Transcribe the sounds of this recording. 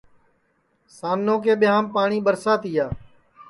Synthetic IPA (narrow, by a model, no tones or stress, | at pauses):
saːnnõːk̬eːɓɪjãːmpaːɳiːɓəɾsaːt̪ɪjaː